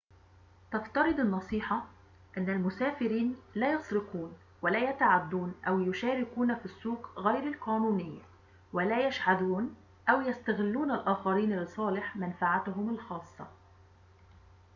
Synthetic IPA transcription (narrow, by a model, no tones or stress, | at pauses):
t̪ɑft̪ɑɾˤɨd̪ˤɪnːɑsˤiːħɑ | ʔɪnːælmʊsæːfɪɾiːnlæːjɑsˤɾɪquːn | wɪlæːjæt̪aʕad̪ːuːnʔæwjʊʃæːɾɪkuːnæfisːuːqɣæjɾɪlqæːnuːnɪjːa | wɪlæːjaʃʕad̪uːn | ʔæwjast̪æɣɪlːuːnalʔaːxɑɾiːnlɪsˤɑːlɪħmænfaʕat̪ʊɦʊmɪlxɑːsˤːɑ̰